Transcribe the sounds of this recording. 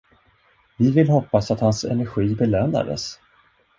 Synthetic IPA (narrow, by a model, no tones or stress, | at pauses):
vɪvɪlhɔpːasat̪hansɛ̰nɛɾɧiːbɛløːna̰d̪ə̰s